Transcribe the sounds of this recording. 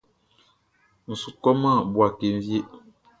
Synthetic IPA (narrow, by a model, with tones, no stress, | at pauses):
n̩˨su˨kɔ˦ma˦˨bwa˨ke˨m̩˦vje˦ʔ